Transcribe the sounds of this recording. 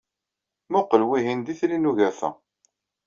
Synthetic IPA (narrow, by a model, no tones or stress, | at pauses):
mʊqəlwiɦind̪iθlinuʝæfæ̰